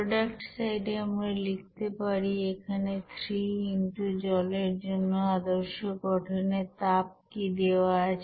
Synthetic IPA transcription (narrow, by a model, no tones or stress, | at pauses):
ɾoɖakʈsajɖeamɾalik̚ʰt̪epaɾiekʰanet̪ʰɾiinʈud͡ʑɔleɾd͡ʑonːoad̪oɾʃoɡɔʈʰonet̪ap̚kid̪eoaat͡ɕʰ